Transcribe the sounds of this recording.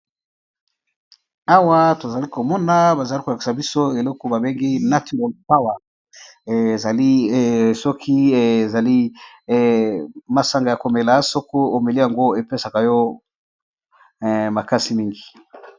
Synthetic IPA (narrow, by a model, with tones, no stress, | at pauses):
a˦wa˦to˨za˨li˦ko˨mɔ˦na˦ba˨za˨li˦ko˨la˨ki̥˨sa˨bi˦so˦e˨lɔ˦kɔ˨ba˨be˦ŋɡi˦na˦ti˦lo˨lpa˦wa˨ | e˨za˨li˦˨sɔ˦kʰi˦e˨za˨li˦ | ma˨sa˦ŋɡa˨ja˨ko˨me˨la˨˦so˦ko˦o˨me˨li˦ja˨ŋɡo˦e˨pe˦sa˨ka˨jɔ˦ | ma˨ka˦si˨mi˦ŋɡi˨